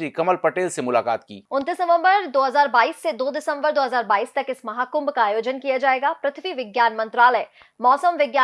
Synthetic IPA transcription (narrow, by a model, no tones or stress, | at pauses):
ɾikɐməlpɐʈeːlsemʊlaːka̰ːt̪kḭːʊnt̪iːsnɐʋə̃mbəɾd̪oːɦɐzaːɾbaːiːsːed̪oːd̪ɪsə̃mbəɾd̪oːɦɐzaːɾbaːiːst̪ɐkɪsmɐɦaːkʊ̃mbkaːjoːd͡ʒənkijad͡ʒaːeːɡaːpɾɐt̪ʰʋiʋɪɡjaːnmɐ̃nt̪ɾaːləɪ | mɔːsəmʋɪɡjaː